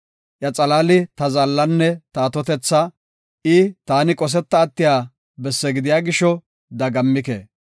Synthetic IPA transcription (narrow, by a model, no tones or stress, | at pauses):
ʔjɐt͡sʼɐlaːlɪt̪ɐzɐlːɐnːɛt̪ɐːt̪ɔt̪ɛt͡sːɐ | ʔɪt̪aːnɪkʼɔs̬ɛt̪ːɐːt̪ːɪjaː | bɛsːɛɡɪd̪ɪjaːɡɪʃɔ | d̪ɐɡɐmːɪkḛː